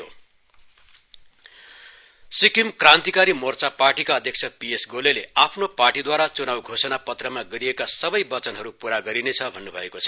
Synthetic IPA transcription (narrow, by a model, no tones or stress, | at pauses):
o | sikimkrãnt̪ikaɾimort͡saparʈikaʌd̪ʱjek̚t͡sʰʌpiesɡoleleapʰnoparʈid̪waɾat͡sunawɡʱosʌnapʌt̪rʌmaɡʌɾiekasʌbʌjbʌt͡sʌnɦʌɾupuɾaɡʌɾinet͡sʰʌbʱʌnːubʱʌ̰ekot͡sʰʌ